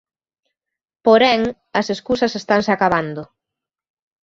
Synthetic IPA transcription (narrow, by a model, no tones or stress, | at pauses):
poɾɛŋ | ɐseskusɐsest̪aŋseakaβand̪ʊ